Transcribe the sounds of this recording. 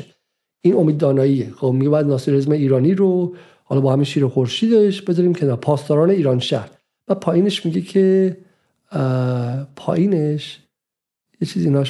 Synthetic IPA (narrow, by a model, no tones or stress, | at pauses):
iːno̞miːd̪ɒːnɒːjiexomiɡʲeɒjæd̪nɒːsiɾezmeiːɾɒːniɾo | hɒlɒːbɒːhæminʃiːɾexoɾʃiːd̪eʃbezɒɾiːmcʰenɒːɾpʰɒːst̪ɒːɾɒːne̞iːɾɒːnʃæɾd̪̥ | b̥æd̪̚pʰɒːjiːne̞ʃmiɟecʰe | pʰɒ̰ːʔiːneʃ | jet͡ʃʰiːziːnɒʃ